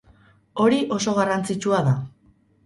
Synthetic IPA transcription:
o̞ɾiʔo̞so̞ɣ̞arant͡sit͡ʃuaða

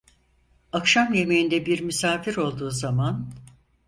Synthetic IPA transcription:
akʃamje̞mejind̪ɛbiɾmysaːfiɾo̞lˠd̪uːzaman

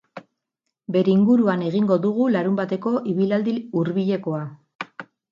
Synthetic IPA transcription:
be̞ɾeiŋɡuɾuane̞ɣiŋɡo̞ðuɣulaɾumbat̪e̞ko̞ʔiβilald̪iuɾβiʎe̞ko̞a

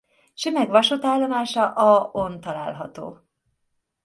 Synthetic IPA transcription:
ʃømɛɡʋɒʃot̪aːlːomaːʃɒʔɒont̪ɒla̰ːlɦɒt̪o̰ː

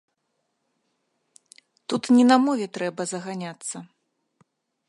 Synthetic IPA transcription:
t̪ut̪nʲɛnɐmɔvʲɛt̪ɾɛbɐzɐɣanʲat̪sːɐ

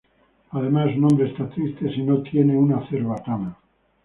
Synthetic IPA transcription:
að̞e̞massnombɾeːst̪at̪ɾist̪e̞sino̞t̪je̞ne̞unaθeɾβat̪ana

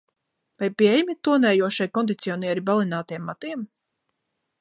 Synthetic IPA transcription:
vajpiɛjmit̪uɔnɛːjuɔʃajkɔnd̪it̪siɔniɛɾibalˠinaːt̪ijɛmːat̪iɛm

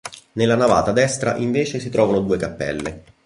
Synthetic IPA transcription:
nelːanava̰ːt̪ad̪ɛst̪ɾa̰ʔiɱveːt͡ʃesit̪ɾɔːvanod̪uːekapːɛ̰lːḛ

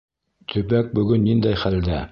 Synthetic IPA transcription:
t̪ʰɵ̆pæk̚bɵ̆ɡɵnːind̪æjχæld̪æ

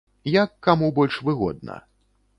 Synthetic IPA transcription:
jɐkːamubɔlʲʂvɨɣɔ̰d̪̚nɐ̰

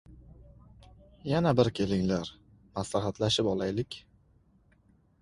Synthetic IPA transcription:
janabɪɾkʲʰe̞lɪŋlaɾ | maslaɦat̪laʃɪpɒlˠajlɪkʲ

